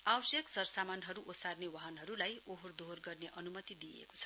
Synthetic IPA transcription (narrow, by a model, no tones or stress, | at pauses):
awʌsjʌksʌrsamanɦʌɾuʔosarnewaɦʌnɦʌɾulajoɦord̪ʱorɡʌrneʔʌnumʌt̪id̪ijḛko̥t͡sʰʌ̥